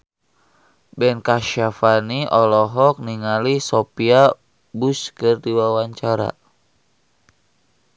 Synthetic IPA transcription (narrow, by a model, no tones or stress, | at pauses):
bɛnkaʃafaniʔɔlɔɦɔk̚niŋalisopia | buskɨrdiwawaɲt͡ʃaɾa̰